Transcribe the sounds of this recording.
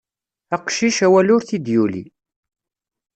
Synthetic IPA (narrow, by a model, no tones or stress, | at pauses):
æqʃiʃæwælʊɾθid̪julḭ